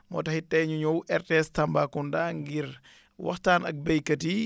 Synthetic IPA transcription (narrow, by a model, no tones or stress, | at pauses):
mɔ̰tɐhitɛɲuɲɔwʔɛrtestɐmbakundaŋɡiɾ | wɐ̰xtaːnɐ̰k̚bɛjkɐti